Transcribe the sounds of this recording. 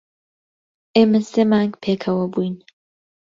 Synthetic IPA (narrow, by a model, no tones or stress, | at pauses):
ʔeːmɨnseːmaːŋɡpʰeːkʰɐwɐbujn